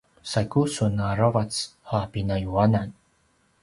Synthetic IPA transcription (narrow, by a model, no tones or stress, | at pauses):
sajkusunaɾavat͡shapinajuanan